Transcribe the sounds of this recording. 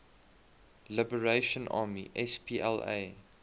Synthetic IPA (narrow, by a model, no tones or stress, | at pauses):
lɪbəɹeɪʃə̃nʔɑ̰ːmiʔɛspʰiːʔɛlḛɪ